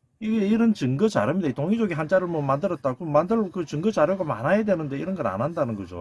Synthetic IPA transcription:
iɡe̞iɾʌnt͡ɕɯŋɡɯt͡ɕa̰ɾjʌmidaitoŋid͡ʑoɡiɦant͡ɕ͈aɾɯɭmʌmandɯɾʌt̚t͈aɡomandɯɭokɯt͡ɕɯŋɡʌt͡ɕaɾjoɡama̰najadwe̞nɯnde̞iɾʌnɡʌɾa̰nɦandanɯnɡʌd͡ʑo̰

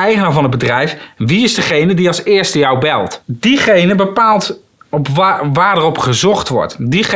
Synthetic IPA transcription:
ɛjχənaːvɑnəbədrɛjfʋiɪzdəχejnədiɑlˠsɪːɹstəjɑwbɛlˠtdiχejnəbəpaːlˠt | ɔpʋaːɹdərɔpχəzɔχtʋɔ̰ɹtdiχ

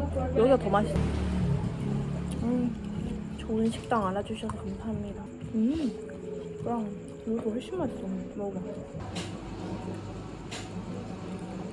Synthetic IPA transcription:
jʌɡiatomaɕʰida | ɯ | t͡ɕoɯnɕʰi̥k̚t͈aŋaɭːad͡ʑuɕʰʌsʰʌkamsʰaɦamɲida | ɯ | kɯɾʌŋ | mosʰohʌɭɕ͈imːant͡ɕ͈ommʌɡa

